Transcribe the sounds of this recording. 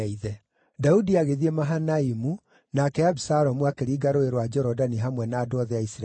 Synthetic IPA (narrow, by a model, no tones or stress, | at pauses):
iðɛ | daudiaɣeðiemaɦanaimu | nakɛabisaɾɔmuakeɾiːɡaɾoeɾwad͡ʒɔɾɔdaniɦamwɛnaːdoɔðɛaisɾ